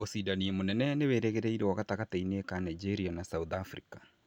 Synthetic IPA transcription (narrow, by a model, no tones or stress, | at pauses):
osiːdaniɛmonɛnɛneweːɾɛɣɛɾɛiɾewaɣataɣatainekanaid͡ʒeɾianasauðafɾḭkḁ